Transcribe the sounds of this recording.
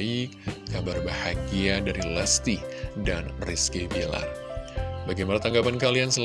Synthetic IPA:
ikːabarbahaɡiadaɾilast̪idanriskebila̰ | baɡajmanat̪aŋɡapankaliansəl

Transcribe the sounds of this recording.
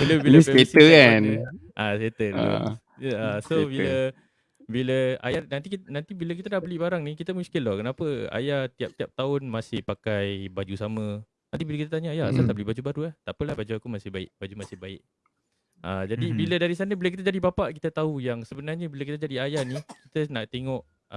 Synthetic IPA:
bələbillsɛetsəkanʔaset̪ən̰ | asobilə | biləa̰janant̪iknãnt̪ibiləkit̪adabəlibaɾaŋnikit̪əmũskɪnlɔkənapəa̰jaht̪iap̚t̪iap̚t̪aʊnmasɪhpakajbad͡ʒusamə̃ | nant̪ibilakit̪̬ət̪aɲəajaa̰salt̪aʔbəlibad͡ʒubaɾulaht̪aʔpəlahbad͡ʒuakumasɪbaɪ̰ʔ̚bad͡ʒumasɪhbaɪ̰ʔ | ʔad͡ʒadibilədaɾisanəbilək̬it̪əd͡ʒadibapaʔkit̪ət̪aujaŋsəbənarɲəbiləkit̪əd͡ʒadiajahnikit̪ənaʔt̪eŋɔʔ

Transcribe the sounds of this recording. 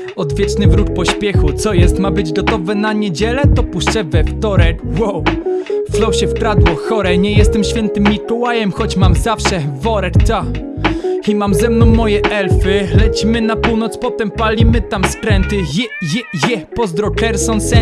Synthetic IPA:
ɔd̪vʲjɛt͡ʂnɘvɾuk̚pɔɕpʲjɛxut̪sɔjɛst̪mabɘd͡ʑɡɔt̪ɔvɛnaɲed͡ʑɛlɛt̪ɔpuʂt͡ʂɛvɛft̪ɔɾɛkwɔwflɔwɕɛfkɾad̪wɔxɔɾɛɲɛjɛst̪ɛmɕfʲjɛnt̪ɘmːikɔwajɛmxɔt͡ɕmamzafʂɛvɔɾɛkt̪a | imamzɛmnɔ̃w̃ːɔjɛʔɛlfɘlɛt͡ɕmɘnapuwnɔt̪spɔt̪ɛmpalʲimɘt̪amskɾɛnt̪ɘjɛjɛjɛpɔzd̪ɾɔkɛɾsɔnsɛ

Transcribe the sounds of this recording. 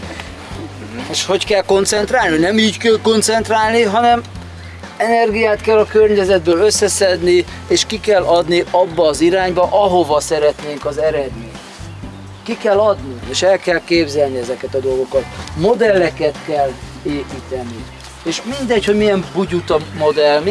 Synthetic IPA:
eːʃho̞ckɛlko̞nt̪sɛnt̪raːlninɛmiːɟkɛlko̞nt̪sɛnt̪raːlniɦɒnɛm | ɛnɛrɡijaːt̪kɛlːɒkørɲɛzɛd̪̚bøːløsːɛsɛd̪ni | eːʃkikɛlːɒd̪niɒbːɒːziɾaːɲbɒʔɒɦo̞vɒsɛɾɛt̪neːŋkɒzɛɾɛd̪meːɲt̪ | kikɛlːɒd̪nieːʃɛlkɛlkeːbzɛlniɛzɛkɛt̪ɒd̪o̞lɡo̞kɒt̪mo̞d̪ɛlːɛkɛt̪kɛl | eːpiːt̪ɛni | eːʃmind̪ɛcho̞ɟmijɛmbuɟut̪ɒmo̞d̪ɛlm

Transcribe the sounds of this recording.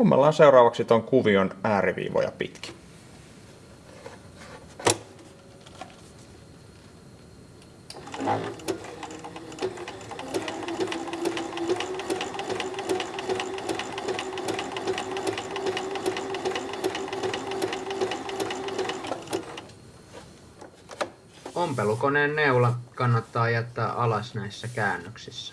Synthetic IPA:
umːɑ̰lːɑːnse̞wɾɑːʋɑksit̪oŋkuʋionæːɾiʋḭːʋo̰jɑ̰pḭt̪k̟i̥ | ompelukone̞ːnːeulɑkɑnːɑt̪ːɑːjæt̪ːæːʔɑlɑsnæjsːækæːnːøksisːæ̥

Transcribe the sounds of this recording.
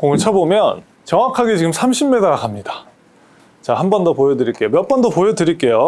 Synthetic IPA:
koŋɯt͡ɕʰabomjʌn | t͡ɕʌŋwakʰaɡe̞t͡ɕiɡɯmsʰamɕʰimːedaɾakamɲidḁ | t͡ɕahanbʌndopojʌdɯɾiɭk͈e̞jomjʌp͈ʌndopojʌdɯɾiɭk͈e̞jo

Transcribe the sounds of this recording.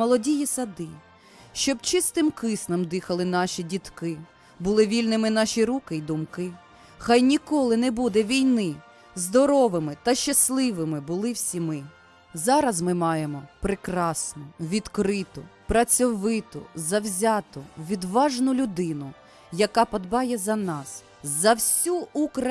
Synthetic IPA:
mɔlˠɔdʲijisɐd̪ɪ | ʃt͡ʃɔbt͡ʃɪst̪ɪmkɪsnɐmd̪ɪxɐlˠɪnɑʃʲidʲit̪kɪ | bʊlˠɪʋʲilʲnɪmɪnɑʃʲiɾukɪjd̪ʊmkɪ | xɑjnʲikɔlˠɪnɛbud̪ɛʋʲijnɪ | zd̪ɔɾɔʋɪmɪt̪ɐʃt͡ʃɐslˠɪʋɪmɪbʊlˠɪwsʲimɪ | zɑɾɐzmɪmɑjemɔpɾɪkɾɑsnɔʋʲid̪kɾɪt̪ʊpɾɐt͡sʲɔʋɪt̪ɔ̰zɐwzʲɑt̪ʊʋʲid̪ʋɑʒnʊlʲʊd̪ɪnʊ | jɐkɑpɐd̪bɑjɛzɐnɑs | zɐwsʲuukɾɐ

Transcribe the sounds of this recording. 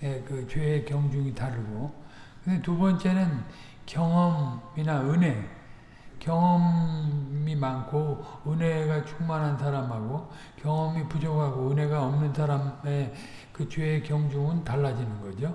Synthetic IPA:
jekɯt͡ɕeːkjʌŋd͡ʑuŋitaɾɯɡokɯndetubʌnt͡ɕ͈e̞nɯn | kjʌŋʌminaɯne̞ | kjʌŋʌm | imankʰoɯnɦe̞ɡat͡ɕʰuŋmanɦansʰaɾamɦaɡo | kjʌŋʌmipud͡ʑokhaɡoɯnɦe̞ɡaʌmnɯnsʰaɾame | kɯt͡ɕeːkjʌŋd͡ʑuŋɯntaɭːad͡ʑinɯnɡʌd͡ʑo

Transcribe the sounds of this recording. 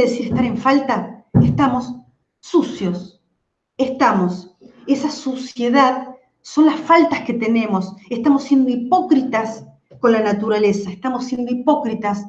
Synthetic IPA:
ðesiɾeht̪aɾe̞ɱfalt̪aest̪amo̞sː | usjo̞s | est̪amo̞sesasosje̞ðað | so̞nlasfalt̪asket̪e̞nẽ̞mo̞sest̪amo̞sːje̞nd̪oipo̞kɾit̪as | ko̞nlanat̪uɾalesaest̪amosːje̞nd̪o̞ipo̞kɾit̪as

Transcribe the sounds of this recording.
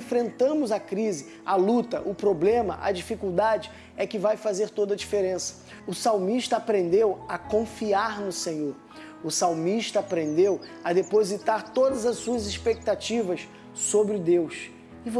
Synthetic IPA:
fɾẽnt̪ɐ̃mʊzɐkɾizɪ | ɐlut̪ɐ̰ʔʊpɾoblẽmɐ̰ʔɐ̰d͡ʒifikuwd̪ad͡ʒɪ | ɛkɪvajfazeɾt̪od̪ɐd͡ʒifeɾẽsɐ̥ | ʊsawmiʃt̪ɐːpɾẽnd̪ewɐkõfiaɾnʊsẽɲoɾ | ʊsawmiʃt̪ɐːpɾẽnd̪ewɐd̪epozit̪aɾt̪od̪ɐzɐsuɐzispek̚t̪at͡ʃivɐs | sobɾɪʊd̪ews | ɪvo

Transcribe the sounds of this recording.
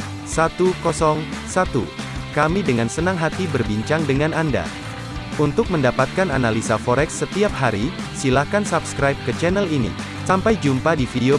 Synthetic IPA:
sat̪ukɔsɔŋsat̪ṵ | kamidəŋansənaŋɦat̪ibərbiɲt͡ʃaŋdəŋananda̰ | unt̪ʊk̚məndapat̪̚kana̰nalisafɔɾɛksːət̪iap̚haɾi | silakansapskɾajp̚kət͡ʃɛnɛlinḭ | sampajd͡ʒumpadifideo

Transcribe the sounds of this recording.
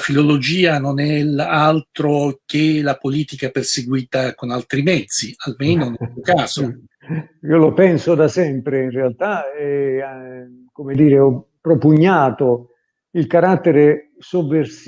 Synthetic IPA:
filolod͡ʒiːanonɛlalt̪ɾok̟elapoliːt̪ikaperseɡwiːt̪akonalt̪ɾimɛd̪zːialmeːnonemːokaːzo | iːolopɛnsod̪asɛmpɾeinrealt̪aɛ | komed̪iːɾeɔ | pːɾopuɲːaːt̪o | ilkaɾat̪ːeɾe | suvːers

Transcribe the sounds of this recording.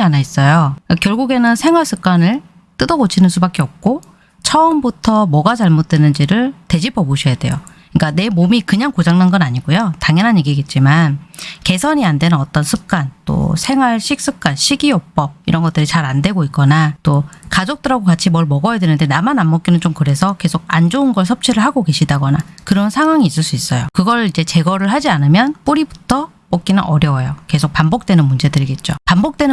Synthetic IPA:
anais͈ʌjokakjʌɭɡuɡe̞nɯnsʰe̞ŋwaɭs͈ʰɯk͈anɯɭ | t͈ɯdʌɡot͡ɕʰinɯnsʰubak͈e̞ʌp̚k͈o | t͡ɕʰʌɯmbutʰʌmwʌɡat͡ɕaɭmot̚t͈wenɯnd͡ʑiɾɯɭte̞d͡ʑipʌbuɕʰʌjade̞̰jo | k͈ane̞momikɯɲaŋkod͡ʑaŋnanɡʌnaɲiɡojotaŋjʌnɦanjeɡiɡet̚t͡ɕ͈imanke̞sʰʌɲiandwe̞nɯnʌt͈ʌnsʰɯk͈̚ant͈o̰sʰe̞ŋɦwaɭɕʰik̚s͈ɯk͈̚anɕʰiɡiop͈ʌb̚iɾʌnɡʌt͈ɯɾit͡ɕaɾandwe̞ɡoik͈ʌnat͈okad͡ʑok̚t͈ɯɾaɡokat͡ɕʰimʌɭmʌɡʌjadwenɯnde̞namanamːʌk͈inɯnt͡ɕomkɯɾe̞sʰʌke̞sʰoɡ̚and͡ʑounɡʌɭs̬ʰʌp̚t͡ɕʰiɾɯɭhaɡoke̞ɕʰidaɡʌnakɯɾʌnsʰaŋɦwaŋiːs͈ɯɭs͈uis͈ʌjokɯɡʌɾid͡ʑe̞t͡ɕe̞ɡʌɾɯɭhad͡ʑianɯmjʌnp͈uɾibutʰʌ | p͈ok̚k͈inɯnʔʌɾjʌwjoke̞sʰok̚pambok̚t͈we̞nɯnmund͡ʑe̞dɯɾiɡe̞t̚t͡ɕ͈opambok̚t͈wen

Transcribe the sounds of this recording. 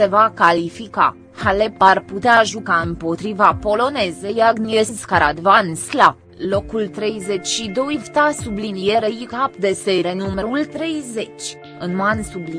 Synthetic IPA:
se̞vakalifika̰ | haleparput̪eaʒukaɨmpo̞t̪ɾivapo̞lo̞ne̞zejaɡnieskaɾad̪vansla | lo̞kult̪ɾe̞jzet͡ʃʲʃid̪o̞jvt̪asublinijeɾejikapd̪e̞seɾenumeɾult̪ɾe̞jze̞t͡ʃʲ | ɨnmansubli

